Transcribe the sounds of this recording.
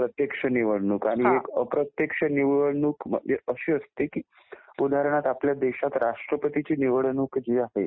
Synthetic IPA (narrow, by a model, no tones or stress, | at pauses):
pɾət̪jekʂəniʋəɽɳuːkaɽ̃iekəpɾət̪jekʂəniʋəɽɳuːkm̰eəɕiːəst̪ekiː | ud̪ʱaɾəɳ̃at̪apljad̪eɕat̪ɾaʂʈɾəpət̪it͡ɕiːniʋəɭɳuːkd͡ʑeaɦe